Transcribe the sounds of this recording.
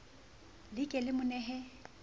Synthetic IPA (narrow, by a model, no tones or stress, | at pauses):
lɪkʼɛlɪmʊnɛɦɛ